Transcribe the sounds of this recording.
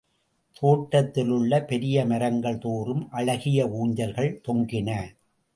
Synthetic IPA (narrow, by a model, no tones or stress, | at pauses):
t̪ʰoːʈːɐt̪ːɪlɯɭːɐpɛɾɪjɐmɐɾɐŋɡɐɭt̪oːrɯmʔɐɭɐɣɪjɐuːɲd͡ʒɐlɣɐɭt̪ɔŋɡɪnɐ